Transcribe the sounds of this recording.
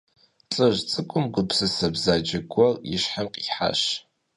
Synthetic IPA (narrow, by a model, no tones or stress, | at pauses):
t͡ɬʼɨʒt͡sʼɨkʷʼʊmɡʷʊpsɨsɐbzaːd͡ʒɐɡʷʰɔrjɪʃħamqʼiħa̰ʃ